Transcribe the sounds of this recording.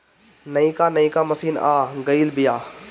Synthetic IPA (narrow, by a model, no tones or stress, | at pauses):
nɐĩkaːnɐĩkaːmɐsiːna̰ːɡɐiːlbɪjaː